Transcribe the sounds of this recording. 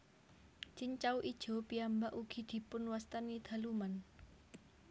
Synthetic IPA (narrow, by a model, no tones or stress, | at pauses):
t͡ʃiɲt͡ʃawʔid̥ʒ̥o̤piambaʔuɡ̥i̤d̪̥i̤pʊnwast̪anid̪̥a̤luman